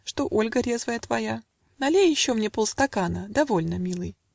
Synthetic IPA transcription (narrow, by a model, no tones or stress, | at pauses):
ʂt̪o̞ʔo̞lʲɡəɾʲe̞zvəjət̪vɐja | nɐlʲejjɪɕːo̞mnʲe̞polˠst̪ɐkanəd̪ɐvo̞lʲnəmʲilˠɨj